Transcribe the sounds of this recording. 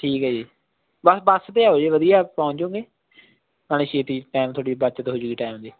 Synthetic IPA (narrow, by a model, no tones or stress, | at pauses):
ʈʰiːkɦɛːd͡ʒiː | bəsbəst̪eːaːɦoːd͡ʒeːʋəd̪ijaːpaʊ̃ɲt͡ʃõːɡeː | naːleʃeːt̪iʈaːmt̪ʰoːɽiːbət͡ʃət̪ɦoːd͡ʒuːɡiːʈaːmd̪iː